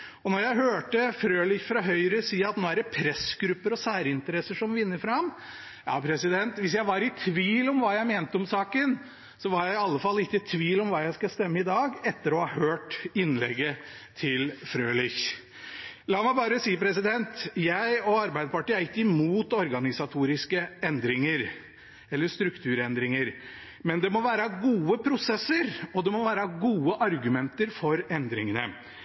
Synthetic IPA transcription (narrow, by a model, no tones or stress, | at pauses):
ɔnɔɾjæɪɦøːʈəfɾøːlɪçfɾɑɦœʏɾəsiːəɑt̪noːæɖɛpʰɾɛsɡ̥ɾʉpːəɾɔsæːɾəɪnt̪əɾɛsəʂɔmʋɪnːəfɾɑm | jɑ̰ːpʰɾɛsɪd̪ɛnt̪ʋɪs̬jæɪʋɑɾɪt̪ʰʋiːlɔmʋɑːjæɪmeːnt̪əɔmsɑːkən | sɔʋɑɾjæɪɪɑlːəfɑlːɪkːəɪt̪ʰʋiːlɔmʋɑːjæɪskɑst̪ɛmːəɪd̪ɑːɡɛt̪ːəɾɔhɑhøːʈɪnːlɛ̰ɡːə | t̪ʰɪlfɾøːlɪç | lɑːmæɪbɑːɾəsiːpɾɛsɪd̪ɛnt̪jæɪɔɑɾbæɪd̪əpɑʈiːæɾɪkːəɪmuːt̪ɔɾɡɑnɪsɑt̪ʰuːɾɪskəɛnd̪ɾɪŋəɾ | ɛlːəʂt̪ɾʉkt̪ʰʉːɾɛnd̪ɾɪŋəɾ | mɛnd̪ɛmɔʋæːɾəɡuːəpʰɾʊsɛsːəɾɔd̪ɛmɔʋæːɾəɡuːəʔɑɾɡʉmɛnt̪əɾfɔɾɛnd̪ɾɪŋənə